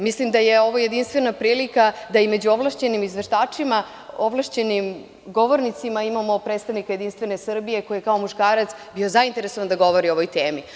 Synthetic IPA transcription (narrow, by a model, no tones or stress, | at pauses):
mislimd̪aje̞o̞ʋoje̞d̪inst̪ʋe̞napɾiːlikad̪aime̞d͡ʑuoʋlaʃt͡ɕe̞nimizʋe̞ʃt̪aːt͡ʂima | oʋlˠaʃt͡ɕe̞nim | ɡo̞ʋo̞ɾnit̪simaimamo̞pɾeːt̪st̪aʋnikaje̞d̪inst̪ʋe̞ne̞sr̩bije̞ko̞jijekao̞muʃkaːɾat̪sbio̞zaint̪e̞ɾesoand̪aɡo̞ʋo̞ɾio̞ʋojt̪eːmi